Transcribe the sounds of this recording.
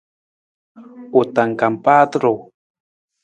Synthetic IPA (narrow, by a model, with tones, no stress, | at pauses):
u˨t̪a˨ŋka˨mpa˦t̪ɾo˨